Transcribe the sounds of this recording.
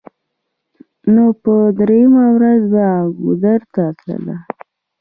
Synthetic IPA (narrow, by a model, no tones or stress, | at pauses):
nopəd̪ɾejamawɾazbaɡud̪aɾt̪aːt̪lə̰la